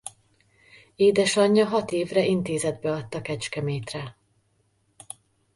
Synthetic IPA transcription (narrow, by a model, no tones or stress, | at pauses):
eːd̪ɛʃɒɲːɒɦɒt̪eːvrɛint̪eːzɛd̪bɛɒt̪ːɒkɛt͡ʃkɛmeːt̪rɛ